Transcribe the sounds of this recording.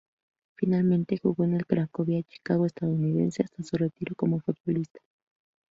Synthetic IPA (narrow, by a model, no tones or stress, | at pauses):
finalmẽ̞nt̪e̞xuɣo̞ene̞lkɾakoβjat͡ʃi̥kaɣoest̪aðouniðe̞̰nse̞ast̪asure̞t̪iɾo̞ko̞mo̞fut̪̚bo̞list̪ḁ